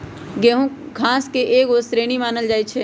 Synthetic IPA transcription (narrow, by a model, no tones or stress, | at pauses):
ɡeɦũ | kʰãːskeʔeːɡoːsɾeːɽ̃imaːnəld͡ʒaːit͡ʃʰe